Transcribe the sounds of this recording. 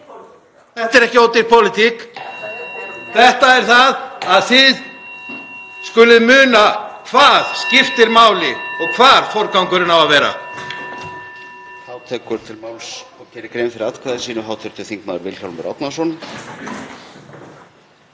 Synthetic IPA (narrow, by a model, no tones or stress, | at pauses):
θɛht̪ɛɾɛhcɪoːwt̪ɪɾpʰowlɪt̪ʰik | θɛht̪aɛɾ̥θaðaðθɪð | skʏlɪðmʏːnakʰvaːð̥scɪft̪ɪɾmaːwlɪɔɣkʰvaːɾ̥fɔɾkawŋkʏɾɪnavaðvɛːɾa̰ | haːwt̪ʰɛːkʏɾ̥t̪ʰɪlmaːwlsɔcʰɛːɾɪkɾeːjmfɪɾɪɾat̪kʰvaðɪ̥siːnʏɦawt̪ʰɛɾt̪ʰɪlθiŋknaːðʏɾvɪlç̥ɔlmɪɾɔ̰t̪nasɔn